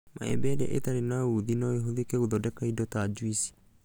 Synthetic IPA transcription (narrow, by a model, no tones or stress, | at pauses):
mʔa̰ɛ̰bɛdɛ̰ʔḛtaɾenauðinɔeɦoðikeuðɔdɛkaidɔtad͡ʒwisi̥